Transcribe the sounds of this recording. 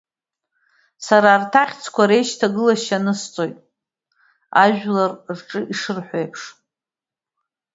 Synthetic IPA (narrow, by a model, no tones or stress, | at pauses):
saɾaːrtʰaχʲt͡sʰkʷʰaɾe̞jʃtʰaɡɨlaʃanɨst͡sʼo̞jtʼ | a̰ʒᶣlarrʈ͡ʂʼɨʔiʂɨrħʷᶣe̞jpʰʂ